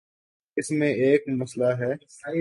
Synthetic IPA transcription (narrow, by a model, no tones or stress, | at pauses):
ɪsmẽeːkmɐslaɦɛːs